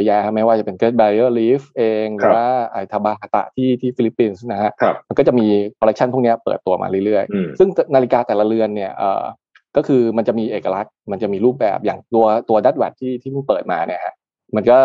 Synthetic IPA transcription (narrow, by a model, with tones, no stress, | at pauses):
jaː˧kʰa˦˥ma˦˥jwaː˥˩t͡ɕa˨˩pe˧nke˦˥t̪̚baː˧ɾi˦əː˥˩liː˦˥fʔeː˧ŋɾɯː˨˩˧waː˥˩ʔa˨˩t̪ʰa˧baː˧a˧˩t̪a̰˨˩t̪ʰiː˥˩t̪ʰiː˥˩fi˧li˦˥pːi˧nsna˦˥kʰa˦˥ʔʰma˧nkɔː˥˩t͡ɕa˨˩miː˧kʰɔː˧ɾk̚t͡ɕʰa˥˩npʰu˥˩ni˦˥ɐpɤ̰ː˨˩t̪ːu˧ɐma̰ː˧ɾɯ˥˩ɾɯ˥˩əjsɯ˥˩ŋnaː˧li˦˥kaː˧t̪ɛː˨˩la˧ɾɯ˧ənːi˥˩ɐʔə̰ː˨˩ | kɔː˥˩kʰɯː˧ma˧nt͡ɕa˨˩ʔmiː˧ʔeː˨˩ka˧la˦˥t̪̚ma˧nt͡ɕa˨˩miː˧ɾuː˥˩p̚bɛ̰ː˨˩p̚jaː˨˩ŋt̪u˧ɐt̪u˧ɐda˦˥˩t̪̚wa˨˩t̪ʰːiː˥˩t̪ʰiː˥˩mʰa˥˩pɤː˨˩t̪̚maː˧ni˥˩ɐkʰa˦˥ʔ | ma˧nkɔː˥˩